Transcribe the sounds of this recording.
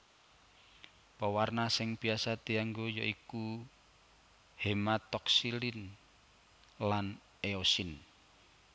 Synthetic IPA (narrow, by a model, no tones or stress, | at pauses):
pəwarnasɪŋbiasat̪iaŋɡojɔʔiku | hemat̪ɔksilin | lan | eosin